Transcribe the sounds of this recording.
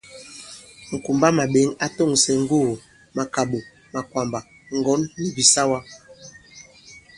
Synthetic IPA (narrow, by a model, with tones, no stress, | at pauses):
ŋ̩˨ku˨mba˦ma˨ɓe˨˦ŋa˦to˦˨ŋsɛ˨ŋ̩˦ɡo˦˨ | ma˨ka˨ɓo˨ | ma˨kwa˨mba˨ | ŋ˨ɡɔ˨˦nːi˨bi˨sa˦wa˦